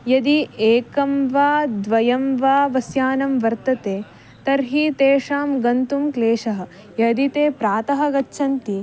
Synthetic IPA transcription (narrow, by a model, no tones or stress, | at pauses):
jɐd̪ieːkɐmʋaːd̪ʋɐjɐmʋaːʋɐsjaːnɐmʋɐɾt̪ɐt̪eː | t̪ɐɾɦiːt̪eːʂaːmɡɐnt̪umkleːʂɐɦɐ̆ | jɐd̪it̪eːpɾaːt̪ɐɦɐɡɐtːʃʰɐnt̪i